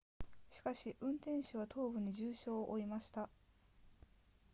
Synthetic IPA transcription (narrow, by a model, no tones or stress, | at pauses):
ɕi̥kaɕiʔɯ̟̃nt̪ẽ̞ɰ̃ɕiβ̞at̪ʰo̞ːbɯ̟ɲ̟id͡ʑɨːɕo̞ːʔoimaɕi̥t̪a